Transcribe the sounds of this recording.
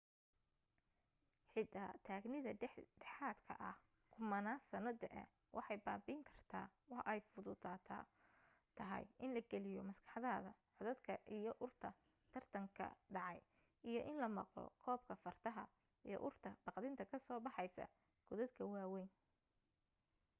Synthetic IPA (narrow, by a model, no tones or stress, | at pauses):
ħɪt̪ʰaːt̪ʰaːɡnɪðɐɖɛħaːd̪kʰɐ̰ʔɐh | kʰʊmɐnaːsɐnɐd̪ɐʔɛ̰ | wʔɑ̰ħɑjbaːbiːŋkʰɐr̥t̪ʰaːwɑħʔɛjfʊðʊðaːt̪ʰː | t̪ʰɐɦɐ̰jʔɪnlɐɡɛlɪjɔmɐskʰɑ̥ħɑðɐɐðɐʕʊðɐd̪kʰɐʔijɔʔʊrt̪ʰɐ | t̪ʰɐrt̪ʰɐŋkʰɐ̰ɖɑʕɑj | ijɔʔɪnlɐmɑ̰qlɔ̰kʰɔːb̚kʰɐfɐrt̪ʰɐɦɐ | ijɔ̰ʔʊrt̪ʰɐb̥ɑqd̪ɪnt̪ʰɐkʰɐsɔːbɑħɑjsɐ̰ | ɡ̥ʊðɐd̪kʰɐwɑːwɛjn